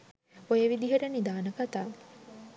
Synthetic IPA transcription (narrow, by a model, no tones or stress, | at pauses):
ojeʋid̪iɦeɾənid̪aːnəkat̪aː